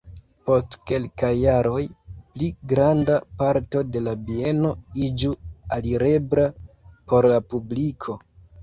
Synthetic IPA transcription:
po̞stke̞lkajːaɾo̞jpliɡɾandapaɾto̞de̞labie̞no̞id͡ʒualiɾe̞bɾapo̞ɾlapublikʰo̞

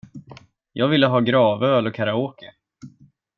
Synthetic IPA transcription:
jʔɑːɡvɪlːəɦɑːɡɾɑːvəøːlɔkʰaɾaoːkə

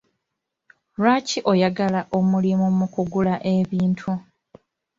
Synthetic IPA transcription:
ɾaciʔo̞jaɡalaʔo̞mulimumukuɡulaʔeβiːntʰu

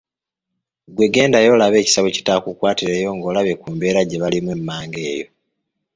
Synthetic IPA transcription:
ɡwe̞ɡe̞ːndajo̞laβe̞ːci̥saβeci̥takukwaːtiɾeːjo̞ŋɡo̞ːlaβekuːmbeːɾaɟe̞βalimwemːaːŋɡe̞ːjo̞̰

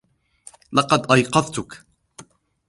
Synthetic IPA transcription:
lɑqɑd̪ʔɑjqɑðt̪ʊk

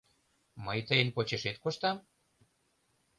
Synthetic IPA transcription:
məjt̪əjənpot͡ɕeʃet̪koʃt̪ɑm

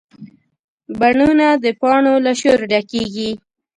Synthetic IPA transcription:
baɳunad̪əpɑɳolaʃoɾɖakeɡi

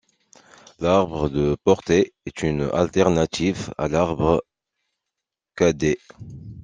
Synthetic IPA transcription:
laʁbʁəd̪əpɔʁt̪eɛt̪yna̰lt̪ɛʁnat̪iva̰laʁbʁə | kad̪e

